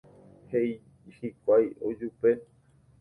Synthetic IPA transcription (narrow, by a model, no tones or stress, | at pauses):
hej | hikʷajo̰d͡ʒupe̞